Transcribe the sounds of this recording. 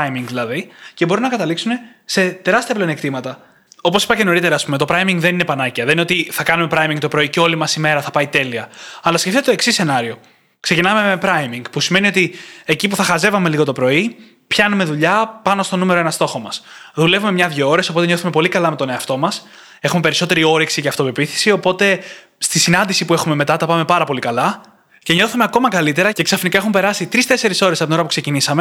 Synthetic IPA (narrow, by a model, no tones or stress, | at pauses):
ɐjmiŋɡðilɐðice̞bo̞ɾinɐkɐt̪ɐliksune̞ | se̞t̪e̞ɾɐst̪iɐplenekt̪imɐt̪ɐ | o̞po̞si̥pɐce̞no̞ɾit̪e̞ɾɐːspume̞t̪o̞pɾɐjmiŋɡðe̞ninepɐnɐciɐðenineot̪iθɐkɐnume̞pɾɐjmiŋɡ̚t̪o̞pɾo̞iceo̞limɐsime̞ɾɐθɐpɐit̪e̞liɐɐlɐsceft̪it̪et̪oeksisːe̞nɐɾio̞ | kse̞cinɐme̞mepɾɐjmiŋɡpusime̞nio̞t̪ie̞cipuθɐxɐze̞vɐme̞liɣo̞t̪o̞pɾo̞i | pçɐnume̞ðuʎɐpɐno̞st̪o̞nume̞ɾoenɐst̪o̞xo̞mɐsðule̞vume̞mɲɐðʝooɾe̞so̞po̞t̪eɲo̞θume̞po̞likɐlɐme̞t̪o̞ne̞ɐft̪o̞mɐs | e̞xume̞pe̞ɾiso̞t̪e̞ɾio̞ɾiksiceɐft̪ove̞piθi̥sio̞po̞t̪e̞ | st̪isinɐnd̪isipue̞xume̞me̞t̪ɐt̪ɐpɐme̞pɐɾɐpo̞likɐlɐ | ce̞ɲo̞θume̞ɐko̞mɐkɐlit̪e̞ɾɐce̞ksɐfnikɐe̞xumpe̞ɾɐsit̪ɾist̪e̞se̞ɾiso̞ɾesɐpot̪noɐpukse̞cinisɐme